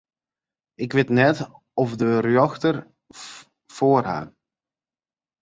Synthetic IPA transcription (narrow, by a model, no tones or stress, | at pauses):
ɪkʋɪtnɛt | ɔfdərjɔxtər | foːərɦa̰ːr